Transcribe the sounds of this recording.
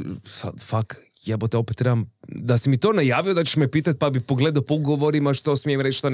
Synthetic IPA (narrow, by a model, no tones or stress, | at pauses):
sa̰d̪fak | jabot̪eo̞pet̪ːɾebamd̪asimit̪onajaːʋiod̪at͡ʃeʃmepiːt̪at̪̚ʲpabipoɡled̪aopouɡoʋoɾimaʃt̪o̞smijemɾet͡ʃʃt̪on